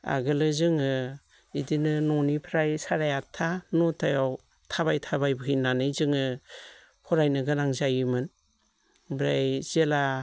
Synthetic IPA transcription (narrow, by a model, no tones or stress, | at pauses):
a̰ɡɯlɯzɯŋɯ | idinɯnɔnipʰɾajsaɾajatʰːanɔtʰajaw | tʰaβajtʰabajbɯɦijnanɯjzɯŋɯ | hʰɔɾajnɯɡɯnaŋzajimɯn | bɾajz̥ela